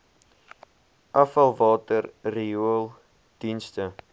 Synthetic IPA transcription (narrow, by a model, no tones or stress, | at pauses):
ʔɐfɐlˠvɑːtərriuəlˠ | d̥instə